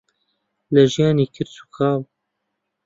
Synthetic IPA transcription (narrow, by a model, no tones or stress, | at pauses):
lɛʒijɑːniːkʰɪɾt̪ʰu̥kʰaːw